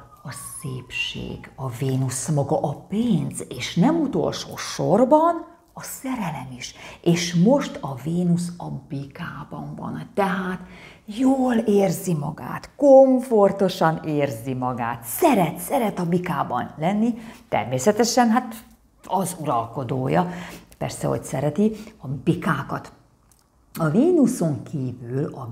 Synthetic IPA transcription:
ɒsḛːpʃḛːɡɒveːnusmɒɡɒʔɒpeːnzeːʃnɛmut̪o̞̰lʃo̰ːʃorbɒn | ɒsɛɾɛlɛmiʃʔeːʃmo̞ʃt̪ɒveːnusɒbikaːbɒ̰ɱvɒ̰nt̪ɛɦaːt̪ | joːleːrzimɒɡa̰ːt̪koɱfo̞rt̪oʃɒneːrzimɒɡa̰ːt̪sɛɾɛt̪sɛɾɛt̪ɒbikaːbɒ̰nlɛnːit̪ɛ̰rmeːsɛt̪ɛʃɛnɦat̪ | ɒzuɾɒlko̞d̪oːjɒ̰pɛ̰rsɛ̰ɦo̰csɛɾɛt̪iɒbikaːkɒt̪ | ɒveːnuso̞ŋkʰiːvylɒ

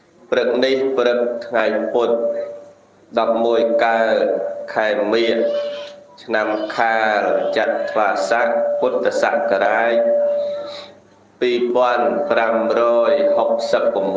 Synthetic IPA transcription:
prɨk̚nihprɨk̚t̪ʰŋajput̪̚ | ɗɑp̚muəjkaəkʰaɛmiəʔ | t͡ɕʰnamkʰaːlt͡ɕat̪̚t̪ʰːʋaːsaʔkuət̪ːasaʔkaɾaːj | piːpŏənpramrɔːjhok̚səpːam

